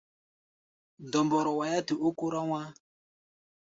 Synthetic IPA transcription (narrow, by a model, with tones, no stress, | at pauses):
dɔ˨mbɔ˨ɾɔ˨wa˨ja˦ti˨ʔo˦ku˦ɾa˦wa˦